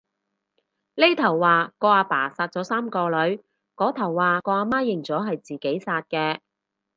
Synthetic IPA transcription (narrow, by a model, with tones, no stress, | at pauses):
le˥t̪ʰɐ˨˩wːaː˨˧kɔː˧aː˨˧paː˨˩saː˧t̚t͡sɔː˨˥saː˥mkɔː˧lɵ˨˥ɥ | kɔː˨˥t̪ʰɐ˨˩wːaː˨kɔː˧aː˧maː˥jɪ˨˩ŋt͡sɔː˨˥ɦɐ˨jt͡siː˨ke˨˥jsaː˧t̚kɛː˧